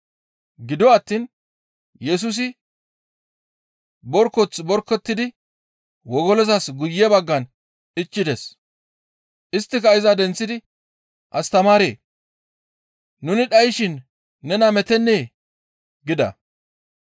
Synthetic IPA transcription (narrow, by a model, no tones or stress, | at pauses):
ɡɪd̪ɔwːt̪ːiːn | jɛs̬ʊs̬ɪ | bɔɾkːɔt͡sbɔɾkːɛt̪ːɪd̪ɪ | wɔɡɔlɔzɐsɡʊjːɛbɐɡːɐn | ɪt͡ʃːɪd̪es | ʔɪst̪ːɪkɐɪzad̪ɛnt͡sːɪd̪ɪ | ʔɐst̪ɐmaːɾeː | nʊnɪᶑɐjʃɪnː | ɛnɐmɛt̪ɛnːeː | ɡɪd̪ɐ̰